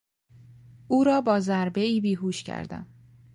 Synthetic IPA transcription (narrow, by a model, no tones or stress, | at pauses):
ʔuːɾɒːbɒːzæɾbe̞iːbiːɦuːʃcʰæ̰ɾd̪æ̰m